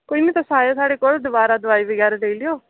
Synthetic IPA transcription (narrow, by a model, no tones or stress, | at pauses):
koːiːmĩːt̪ãsaːjoːsaːɽeːkoːld̪əbaːɾaːd̪əʋaːibəɡɛːɾeːd̪eːliːoː